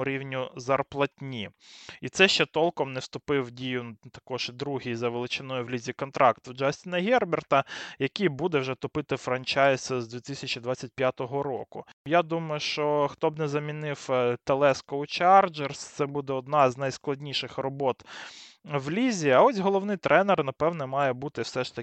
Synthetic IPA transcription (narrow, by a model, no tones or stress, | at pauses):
ʊɾʲiwnʲʊzɐrplˠɐtʲnʲiit̪sɛʃt͡ʃɛt̪ɔlˠkɔmnɛwst̪ʊpɪwdʲijʊt̪ɐ̥kɔʒd̪ɾuɦijzɐʋelˠɪt͡ʃɪnɔjʊwlʲizʲikɔnt̪ɾɑkt̪wd͡ʒɑsʲt̪ʲɪnɐɦʲɛrbert̪ɐjɐkʲijbud̪ɛwʒɛt̪ʊpɪt̪ɪfɾɐnt͡ʃɑjszd̪ʋʲit̪ɪsʲɐt͡ʃid̪ʋat͡sʲːɐt̚ʲpjat̪ɔɦɔɾɔ̰kʊ | jad̪umɐjʊʃt͡ʃɔxt̪ɔbnɛzɐmʲinɪwt̪elˠɛskɔʊt͡ʃɑrd͡ʒerst̪sɛbud̪ɛɔd̪nɑznɐjsklˠɐdʲnʲiʃɪxrɔbɔt̪ | ʋlʲizʲiɐɔsʲɦɔlˠɔwnɪjt̪ɾʔɛnɛrnɐpɛwnɔmɑjɛbut̪ɪwsɛʃt̪ɐ